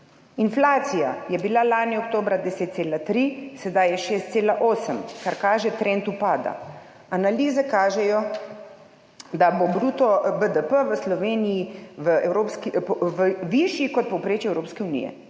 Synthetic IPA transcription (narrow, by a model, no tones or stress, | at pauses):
inflaːt̪sijajɛbilalaːnjiok̚t̪oːbɾad̪ɛset̪̚seːlat̪ɾisɛd̪ajɛʃeːst̪seːlaʔoːsəmkaɾkaːʒɛt̪ɾent̪upaːd̪a̰ | analiːzɛkaːʒɛjɔ | d̪abobɾuːt̪ɔbəd̪əpəʋəslɔʋeːnijiʋəɛwɾopskiʋəʋiʃjikɔt̪̚pɔwpɾeːt͡ʃiɛwɾoːpskɛunḭjɛ̰